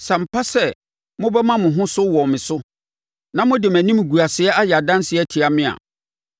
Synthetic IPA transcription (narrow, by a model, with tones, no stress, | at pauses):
sã˨m̩˨pʰa˦sɛ˦ | mʊ̃˦bɛ˦mã˦mʊ̃˨ɦʊ̃˦sʊ˦wɔ˨mɪ̃˨sʊ˦ | nã˦mʊ̃˦dɪ˨mæ̃˨nĩ˦m˨ɡu˨a˨sɪ˨ɛ˦ʔa˦jɛ˨a˨dã˦n˦sɪ˨˦ɛ˦tʰi˨a˨mɪ̃˦a̰˨